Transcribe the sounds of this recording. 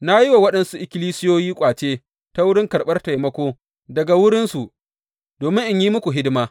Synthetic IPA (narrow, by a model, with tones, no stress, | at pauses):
na˦ji˦wa˨wɐ˦ɗɐ˦nsu˦ʔɪ˨kʲɪ˦liː˦sɪ˦joː˦jiː˦kʷʼaː˨t͡ʃeː˦ | ta˦wʊ˦ɽɪ˦ŋkɐ˨ɽɓɐ˦rta˨jmɐ˦kʷoː˦ | dɐ˨ɡa˨wʊ˦ɽɪ˦nsu˨ʔ | doː˨mɪ̃˦ŋʔɪ˦˨ɲjiː˦mʊ˦kʷu˨ɦɪ˦dɪ˦maː˦